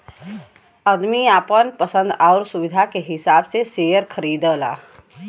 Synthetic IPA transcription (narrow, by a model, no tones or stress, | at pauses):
əd̪miaːpənpəsə̃nd̪aʊɾsuʋid̪ʱakeɦɪsaːbsesejəɾkʰəɾiːd̪əla̰